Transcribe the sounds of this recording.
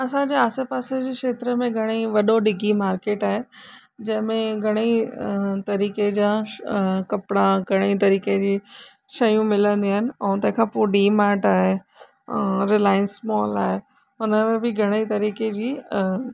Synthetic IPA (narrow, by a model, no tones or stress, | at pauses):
ɐsãd͡ʑeaːsepaːsed͡ʑekʃeːt̪ɾəmẽɡʱɐɽ̃iʋɐɗoɖɪɡʱimaːɾkeːʈaːɦe | d͡ʑɐ̃ɦɪ̃mẽɡʱɐɽ̃i | t̪ɐɾiːked͡ʑãː | kɐpɽ̃ãɡʱɐɽ̃et̪ɐɾiːked͡ʑiː | ʃɐjũmɪlə̃nd̪iaːɦɪnɪ̆ɛ̃ːt̪ɐ̃ɦɪ̃kʰãpoɖiːmaːɾʈaːɦe | ɾɪlaːɪənsmɔːlaːɦe | ɦʊnəmẽbɪɡʱɐɽ̃eit̪ɐɾiːked͡ʑiː